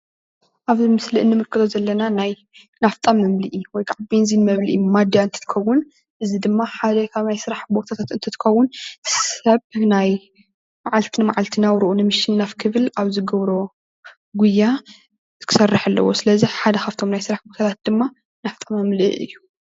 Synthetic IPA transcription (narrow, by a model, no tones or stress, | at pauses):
ʔaβzimɨsliʔɨnːɨmɨɾkʰːɨt̪ʰozɐlːɐnanaj | naft̪ʼamːɨmliʔiwɔjkʰaʕabenzinmɐβliʔmad̪jaɨnt̪ʰɨ̥t̪ʰɨ̥xɐwːʊn | ʔɨzid̪ɨmːaħad̪ɐkʰaβnajsɨɾaħbo̞t̪ʰat̪ʰat̪ɨnt̪ʰɨt̪ʰɨ̥kxɐwːʊnsɐβnaj | maʕalt̪ʰinɨmaʕalt̪ʰinawɾuʔunɨmɨʃɪnːafkʰɨβɨlaβzɨɡɐβɾo̞ | ɡujːa | kʰɨ̥sɐrːaħalːɐ̰wo̞̰sɨlɐziħad̪ɐxʰaft̪ʰo̞mnajsɨɾaħbot̪ʰat̪ʰat̪̚d̪ɨmːa | naft̪ʼamɨmlḭʔɨ̰jːu